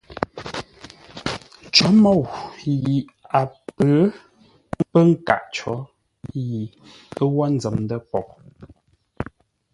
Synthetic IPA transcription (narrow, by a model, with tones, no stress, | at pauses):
t͡ʃɔ˨˦mɔ˦˨wji˨ | a˨pə˨˦ | pə˦ŋ̩˦ka̰˨ʔt͡ʃɔ˨˦ | ji˨ | ə˦wɔ˦n̩˦d͡zə˨mdə˦pɔ˨ʔ̚